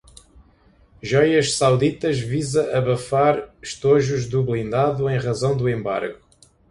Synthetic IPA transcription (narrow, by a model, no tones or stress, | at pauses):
ʒɔjɐʃsawðit̪ɐʒvizɐʔɐβɐfaɾʃt̪oʒuʒd̪uβlˠĩnd̪aðuẽj̃ʁɐzɐ̃w̃d̪uẽmba̰ɾɣu